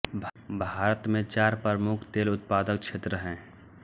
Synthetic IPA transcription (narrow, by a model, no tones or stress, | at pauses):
bbʱaːɾət̪mẽt͡ʃaːɾpɾəmʊkʰt̪eːlʊt̪paːd̪ək̚kʃʰeːt̪ɾəɦɛ̃ː